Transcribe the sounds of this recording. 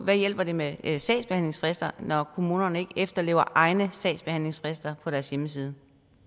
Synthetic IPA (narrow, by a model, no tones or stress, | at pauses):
ʋæjel̰b̥ɐde̝mesd̥ɛ̰ːdsb̥e̝hænle̝ŋsfʁesd̥ɐnɒkʰo̝mṵːnɐnəe̝ɡ̥əefd̥ɐle̝̰ʊɐʔɑ̈ɪnəsd̥ɛ̰̥ːsb̥e̝hæn̰le̝ŋsfʁesd̥ɐpʰɒ̽ɾ̥æɐsjeməs̬iːð̞ˠə